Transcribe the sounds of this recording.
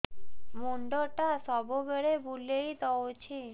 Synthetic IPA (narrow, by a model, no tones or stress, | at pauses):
moɳɖɔʈasɔbobeɾebʱulejt̪ɔot͡ɕʰi